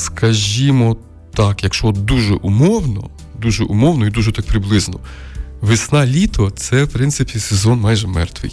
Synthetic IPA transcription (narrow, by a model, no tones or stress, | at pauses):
skɐʒʲimɔ | t̪ɑkjɐkʃt͡ʃɔd̪uʒɛ̰ʔʊmɔwnɔ̰ | d̪uʒɛʔumɔwnɔid̪uʒɛt̪ak̚pɾɪblˠɪznɔ | ʋɪsnɑlʲit̪ʰɔt̪sɛwpɾɪnsɪpʲisezɔnmɑjʒɛmɛ̰rt̪ʋɪ̰j